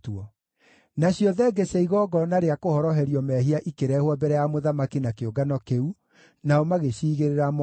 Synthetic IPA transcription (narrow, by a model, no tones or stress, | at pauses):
tuɔ | naɕjɔðɛɡɛsɛiɣɔːɡɔnaɾeakohɔɾɔɦɛɾiɔmɛɦiaʔikeɾɛːhwabɛɾɛjamoðamakinakeoɡanɔkeu | naɔmaɣeɕiːɣeɾeɾam